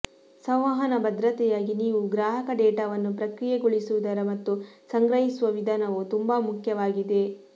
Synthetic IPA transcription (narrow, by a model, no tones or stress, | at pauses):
sɐ̃w̃ʋɐɦɐnɐbɐd̪ɾɐt̪ɛjaːɡiniːʋuɡɾaːɦɐkɐɖɛːʈaʋɐnːupɾɐkɾijɛɡoɭisuʋud̪ɐɾɐmɐt̪ːusɐŋɡɾɐɦisuʋɐʋid̪ʱaːnɐʋut̪umbɐmukʰjɐʋaːɡid̪e̞